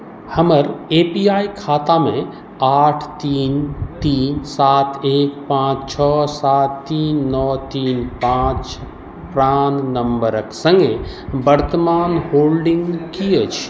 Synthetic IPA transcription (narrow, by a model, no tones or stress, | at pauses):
həməɾepijaikʰat̪amẽ | aːʈʰt̪iːnt̪iːnsaːt̪ʰeːkpãt͡ʃt͡ʃʰɔsat̪ːiːnːɔt̪iːnpãt͡ʃ | pɾannəmbəɾəksə̃ŋɡe | bəɾt̪əmaːnhoːlɖĩŋɡkiət͡ʃʰ